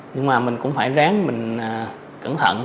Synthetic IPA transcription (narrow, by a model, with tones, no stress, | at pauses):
ɲɨ˧˥ŋmaː˨˩mï˨˩ŋ̟kʊ̰˧˥ŋ͡mfaː˧˩jzaː˨˦ŋmï˨˩ŋ̟ː˨˩ | kə˧˩nt̪ʰə̰˧˨n